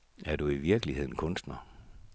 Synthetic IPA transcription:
æɐd̥uiʋiɐɡ̥əlihe̝ð̞̰ˠn̩kʰɔ̽nsd̥nɐ

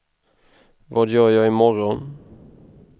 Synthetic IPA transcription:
vɑːd̪jœːɾjɑːɪmɔɾɔn

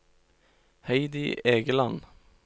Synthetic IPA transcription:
hæɪd̪ɪʔeːɡəlɑn

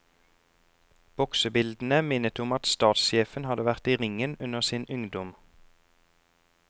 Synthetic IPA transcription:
b̥ɔksəbɪld̪n̩əmɪnət̪ʊmɑt̪st̪ɑːt̪sʃeːfənhɑd̪əʋæʁt̪iːʁɪŋənʉnəʁsiːnʉŋd̪ɔm

